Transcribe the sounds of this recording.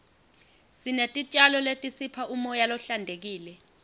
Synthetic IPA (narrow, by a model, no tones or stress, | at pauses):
sinetʼit͡ʃʼalɔletʼisipʰaʔumɔjalɔɬandʱek̬iːlɛ